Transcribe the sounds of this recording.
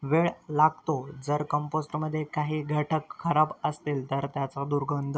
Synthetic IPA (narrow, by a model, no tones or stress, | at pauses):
ʋeɭlaɡ̚t̪od͡zəɾkəmposʈəməd̪ʱːjekaɦiːɡʱəʈʰəkʰːəɾabəst̪iːlt̪əɾt̪jat͡sad̪uɾɡʱənd̪ʱ